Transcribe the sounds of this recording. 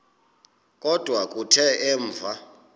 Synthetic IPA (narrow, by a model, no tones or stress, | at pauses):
kʼɔd̥ʱwakʼutʰɛɛːɱvʱa